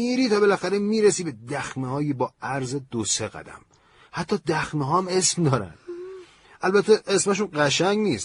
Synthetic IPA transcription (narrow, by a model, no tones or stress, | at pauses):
iːɾiːt̪ʰɒːbe̞læxæɾemiːɾesiːbe̞d̪æxmehɒːjibɒːæɾzed̪̥oseɣæ̰d̪æ̰m | hæt̪ʰːɒːd̪æxmeɦɒːæme̞smd̪ɒːɾæ̰n | ʔælbæt̪ʰːeʔesmæʃ̬unɢæʃæŋɡniːst̪